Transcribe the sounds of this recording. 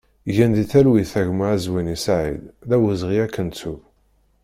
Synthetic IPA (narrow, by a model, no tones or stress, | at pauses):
ʝænðiθælwiθæʝmaæzwinisaʕḭlðæwəzʁiækːənt͡sːuv